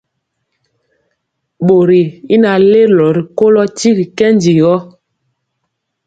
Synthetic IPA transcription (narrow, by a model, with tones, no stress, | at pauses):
ɓo˨ɾi˨i˦na˨le˦˨lɔ˨ɾi˨ko˦lɔ˦ti˦ɾi˨kɛ˦ndi˨ɣɔ˦